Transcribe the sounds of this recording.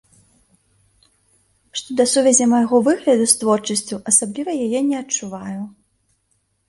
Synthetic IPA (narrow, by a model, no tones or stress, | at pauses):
ʂt̪ɔd̪ɐsuvʲɛzʲɐmɐjɣɔvɨɣlʲɐd̪ust̪vɔrt͡ʂɐsʲt͡sʲuʔɐsablʲivɐjajɛnʲɛɐt͡ʂuvaju